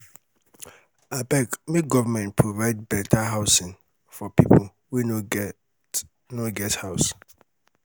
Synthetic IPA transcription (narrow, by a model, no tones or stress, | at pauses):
abɛkmeɡɔvamɛ̃npʰɹovaɪd̚bɛtʰaɦaʊsɪ̃n | fɔpʰipʰol | wuno | noɡɛthaʊs